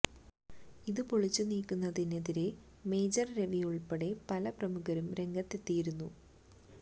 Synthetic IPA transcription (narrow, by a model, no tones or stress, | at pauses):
iðɨpoɭit͡ɕːuniːkːunːɐðineðiɾe̞ | me̞ːd͡ʑɐrɾe̞ʋijuɭpeɽe̞pɐlɐprɐmuɣɐɾumɾe̞ŋɡɐt̪ːe̞t̪ːijiɾunːu